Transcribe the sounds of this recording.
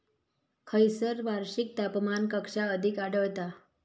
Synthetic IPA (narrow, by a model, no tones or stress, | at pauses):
kʰəjsəɾʋaɾɕik̚t̪apmankəkʂaəd̪ʱikaɽəʋt̪a